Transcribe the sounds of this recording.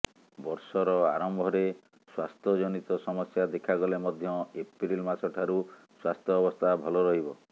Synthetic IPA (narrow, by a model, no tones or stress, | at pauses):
bɔɾsɔɾɔa̰ɾɔmbʱɔɾe | swast̪ʰɔd͡ʒɔnit̪ɔsɔmɔsjad̪ekʰaɡɔlemɔd̪ʱjɔepɾilmasɔʈʰaɾu | swast̪ʰɔːbɔst̪ʰabʱɔlɔɾɔɦibɔ